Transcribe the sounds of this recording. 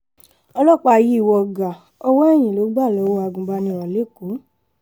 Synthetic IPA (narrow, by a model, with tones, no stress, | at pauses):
ɔ˧lɔ˦˨k͡pa˧ji˦˨wɔ˧˨ɡa˨ | ɔ˧wɔ˦ɛ˦˨j̃ĩ˨lo˨˦ɡ͡ba˦˨lɔ˨˦wo˧˦a˧ɡũ˨ɡ͡ba˧nĩ˧˨ɾ̃ɔ̃˨le˨˦˨ko˨˦